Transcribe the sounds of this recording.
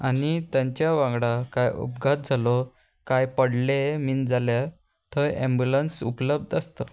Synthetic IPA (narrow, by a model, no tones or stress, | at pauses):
anit̪jãɲt͡ɕjaʋãŋɡɽakajṵpɡʱat̪̚d͡zʱalɔ | kajpəɽlemind͡zʱalja | t̪ʰəẽmbjulənsupləb̚d̪əst̪ə